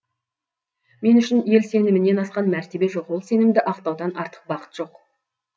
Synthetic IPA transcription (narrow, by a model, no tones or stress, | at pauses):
me̞nʏʃɪnje̞lse̞nɪmɪnːe̞nɑsqɑnmæɾt̪e̞be̞ʒo̞qwo̞lˠse̞nɪmd̪ɪʔɑqt̪ɑwd̪ɑnɑɾt̪ə̥q̚bɑqə̥t̪ʒ̥o̞q